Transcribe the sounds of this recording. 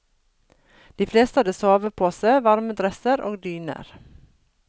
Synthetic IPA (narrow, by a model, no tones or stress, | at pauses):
d̪̥iːfleːst̪əhɑd̪əːsoːʋəpʰoːsəʋɑɾməd̪ɾɛsəɾʔo̰ːɡd̪yːnə̰ɾ